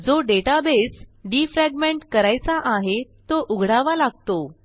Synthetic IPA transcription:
d͡zoɖeʈabesɖiːfɾɛɡmeɳʈkəɾajt͡saʔaɦet̪oʔuɡʱɽaʋalaɡ̚t̪o

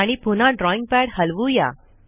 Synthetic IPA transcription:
aɽ̃ipunãɖɾɔĩŋɡ̚pæɽhəlʋuja̰

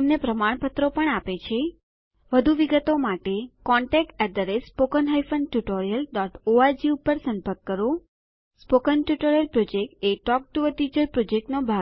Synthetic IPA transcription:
əmnepɾəmaɽ̃pət̪ɾopəɳapet͡ʃʰe | ʋəd̪ʱuʋiɡət̪omaʈekɔɳʈɛk̚ʈɛd̪əɾespokənɦajfənʈjuʈoɾijəlɖɔʈʰoaɾd͡ʒiupəɾsə̃mpəɾkkːəɾo | spokənʈjuʈoɾijəlpɾod͡ʒekʈeʈɔk̚ʈuʋəʈid͡ʒəɾpɾod͡ʒek̚ʈnobʱa

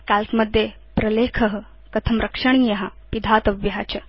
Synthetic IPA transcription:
kalkməd̪ʱːje | pɾɐlekʰəɦə | kɐt̪ʰəmɾʔəkʂɐɳijɐɦapid̪ʱat̪ɐʋjɦat͡ɕɐ

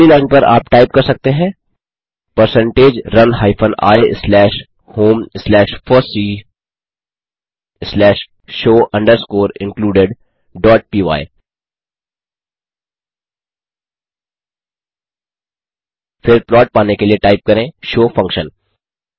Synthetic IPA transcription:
ilaːɪnpɐɾʔa̰ːpʈaːɪp̚kɐɾsɐk̚t̪eɦɛ̃ː | pəɾsə̃ɳʈeːd͡ʒɾɐnɦaːɪpʰə̃na̰ːeslɛːʃ | hoːmslɛːʃfʰɔːsiː | slɛːʃ | ʃoːʔɐ̃ɳɖəɾskoːɾɪ̃ŋkluːɖɪɖ | ɖɔːʈ̚piːʋa̰ːɪ | fɪɾpɾɔːʈ̚paːnekelieʈaːɪp̚kɐɾẽːʃoːfɐ̃ŋkʃə̃n

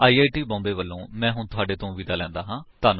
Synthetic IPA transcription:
aːiːaːiʈiːbɔ̃ːmbeːʋəlːõːmɛ̃ːɦʊɳt̪ʊaːɖeːt̪õːʋiːd̪aːlɛ̃ːnd̪aːɦãːt̪aːnũ

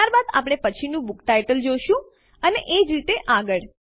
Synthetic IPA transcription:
aɾbad̪a̰pɽ̃epət͡ʃʰinũbukʈajʈəld͡ʒoʃũ | əneʔed͡ʒɾit̪eʔaɡəɭ

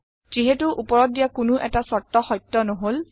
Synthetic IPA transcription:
z̥iɦetʊʔupɔɹɔt̚dijakʊnʊʔɛtasɔtːɔxɔjtːɔnɔɦol

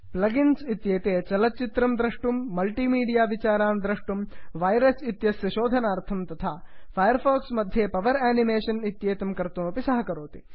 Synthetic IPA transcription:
plɐɡinsit̪jeːt̪eːt͡ʃɐlɐtt͡ʃit̪ɾɐmd̪ɾɐʂʈumːɐlʈiːmiːɖijaːʋit͡ʃaːɾaːnd̪ɾɐʂʈumʋɐjɾɐsit̪jɐsjɐʃoːd̪ʱɐnaːɾt̪ʰɐmt̪ɐt̪ʰaː | pʰɐjɐɾfʰoːksmɐd̪ʱjeːpɐʋɐɾaːnimeːʃɐnit̪jeːt̪ɐmkɐɾt̪uːɐpisɐɦɐkɐɾoːt̪i̥

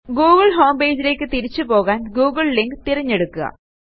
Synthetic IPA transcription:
ɡuːɣɐɭɦoːmbe̞ːd͡ʑile̞ːkːɨt̪iɾit͡ɕːɨpo̞ːɣaːnɡuːɡɐɭliŋɡt̪iɾɐɲːe̞ɽukːuɣɐ̰

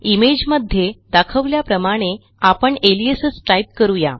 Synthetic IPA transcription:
imed͡ʑməd̪ʱjed̪akʰəʋljapɾəmaɽ̃e | apəɳeliesəsʈajp̚kəɾuja̰

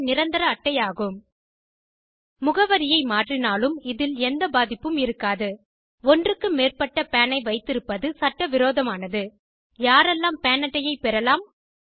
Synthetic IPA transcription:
nɪɾɐnd̪ɐɾɐːʈːɐjaːɣɯm | ʊɣɐʋɐɾɪjɐɪmaːʈrɪnaːlɯmɪðɪlɛnd̪ɐbaːðɪpːɯmɪɾɯkːaːðɯ | ɔndrɯkːɯmeːrpɐʈːɐpɛːnɐɪʋɐɪt̪ːɪɾɯpːɐðɯsɐʈːɐʋɪɾoːðɐmaːnɐðɯ | jaːɾɛlːaːmpɛːnɐʈːɐjɐɪpɛɾɐlaːm

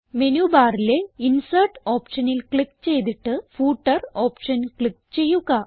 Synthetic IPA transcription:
menubaːrile̞insɐrʈo̞ːpʂɐnilkɭikːt͡ɕe̞jt̪iʈːɨfuːʈːɐro̞ːpʂɐnkɭikːt͡ɕe̞jːuɣɐ

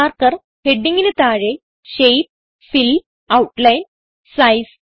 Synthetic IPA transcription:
aɾkəɾ | heɖiŋɡinit̪aɻe | ɕejp̚ | fil | auʈlajn | sajs

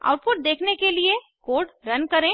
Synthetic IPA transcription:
a̰ːʊɾ̚pʊʈ̚d̪eːkʰnekelie | koːɖɾɐnkɐɾẽː

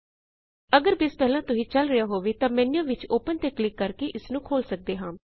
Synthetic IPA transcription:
əɡəɾbɪspɛːlãːt̪ʊsĩːt͡ʃəlɾɪjaːɦoːʋeːt̪ãːmɛ̃ːnjãːʋɪt͡ʃoːpənt̪eːklɪkːəɾkeːʔɪsnũːkʰoːlsək̚d̪eːɦãː

